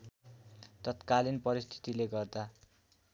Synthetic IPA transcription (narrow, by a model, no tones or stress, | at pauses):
t̪ʌt̪kalinpʌɾist̪ʰi̥t̪ileɡʌrd̪a